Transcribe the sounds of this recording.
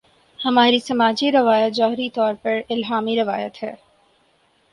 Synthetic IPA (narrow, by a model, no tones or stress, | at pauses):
hɐmaːɾisɐmaːd͡ʒiɾɐʋaːjət̪zɔːɦɾit̪ɔːɾpɐɾɪlɦaːmiɾɐʋaːjət̪ɦɛː